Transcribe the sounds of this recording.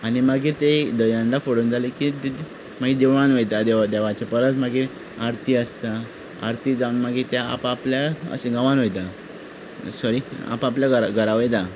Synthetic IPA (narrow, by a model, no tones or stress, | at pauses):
añimaɡiːt̪ed̪əjaɳɖafoɽuːnd͡zʱalekit̪i | maɡiːd̪eʋʋanʋəjt̪ad̪eʋd̪eʋat͡ɕepəɾət̪maɡiː | aɾt̪ʰiːəst̪a | a̰ɾt̪iːd͡zaunmaɡit̪jaa̰papljaə̰seɡãʋanʋojt̪a | sɔɾia̰papljaɡəɾaɡʱəɾaʋəjt̪a